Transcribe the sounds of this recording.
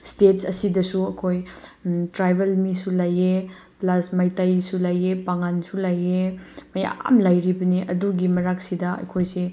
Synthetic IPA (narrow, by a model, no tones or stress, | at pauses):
stet̚sɐ̰sidɐsuɐkʰojtɾajbʱelmisulaje | plasmajtajsulajepaŋansulajemɐja̰mlajɾibɐniʔɐduɡimɐɾaksidɐɐ̰jkʰojse